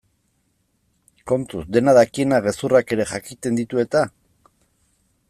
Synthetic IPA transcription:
ko̞nt̪usd̪e̞naðakie̞naɣe̞surake̞ɾe̞ʝakit̪e̞nd̪it̪ue̞t̪a

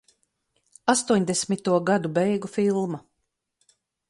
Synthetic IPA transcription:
ast̪uɔɲd̪esʲmit̪uɔɡad̪ubɛjɡufilˠma

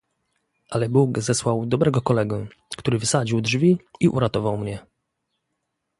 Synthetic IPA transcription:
ʔalɛbukzɛswawd̪ɔbɾɛɡɔkɔlɛɡu | kt̪uɾɘvɘsad͡ʑiwdʐvʲiiʔṵɾat̪ɔvawmɲɛ

